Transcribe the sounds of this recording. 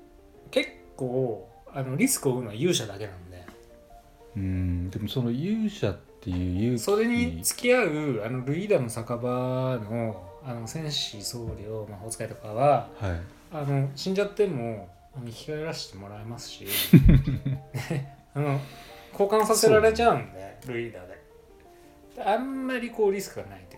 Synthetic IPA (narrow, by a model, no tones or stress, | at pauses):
ke̞kːoː | ano̞ɾʲisɨ̥kɯ̟oɯ̟noβajɯːɕad̪ake̞nãnod̪e̞ | ɯ̃d̪e̞mosono̞jɯːɕat̪ːe̞jɯːjɯso̞ɾe̞ɲ̟it͡sɨ̥kʲiaɯ̟ano̞ɾɯ̟id̪ano̞sakabano̞ano̞sẽ̞ɰ̃ɕiso̞ːɾʲio̞maot͡sɨ̥kait̪o̞kaβahaiː | no̞ɕĩɲ̟d͡ʑat̪ːe̞mo̞ | anoçʲi̥kaeɾaɕi̥t̪e̞mo̞ɾaemasɨ̥ɕi | e | ano̞kʰo̞ːkãɰ̃saseɾaɾe̞t͡ɕaɯ̟̃nd̪eɾɯ̟id̪aːd̪e̞ | d̪̥ãmːaɾʲiko̞ːɾʲisɨ̥kɯ̟ɡanait̪o